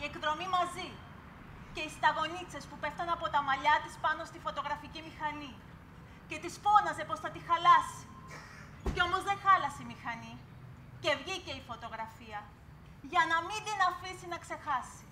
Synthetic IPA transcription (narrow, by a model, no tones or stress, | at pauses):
ie̞kðɾo̞mimɐzi | ce̞ist̪ɐɣo̞nit͡se̞spupe̞ft̪ɐnɐpo̞t̪ɐmɐʎɐt̪ispɐno̞st̪ifo̞t̪o̞ɣɾɐficimixɐni | ce̞t̪isfo̞nɐze̞po̞sθɐt̪ixɐlɐsi̥ | ceo̞mo̞zðe̞xɐlɐseimixɐni | ce̞vʝice̞ifo̞t̪o̞ɣɾɐfiɐ | ʝɐnɐmid̪inɐfisinɐkse̞xɐsi̥